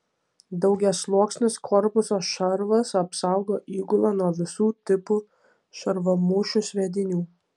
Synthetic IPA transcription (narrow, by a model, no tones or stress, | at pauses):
d̪ɒʊɡʲɛslˠuɔksʲnʲɪskʰɔɾpʊsoːʃɐɾʋɐsɐpsɐʊɡoːʔiːɡʊlˠɐːnuɔʋʲɪsuːt̪ʲɪpʊ | ʃɐɾʋɐmʊʃʲʊʃʲʋʲɛd̪ʲɪnʲuː